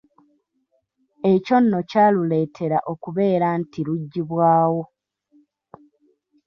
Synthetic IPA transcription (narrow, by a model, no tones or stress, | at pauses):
e̞co̞nːo̞caːlule̞ːtʰe̞ɾaʔo̞kuβe̞ːɾantiluɟːiβwaːwo̞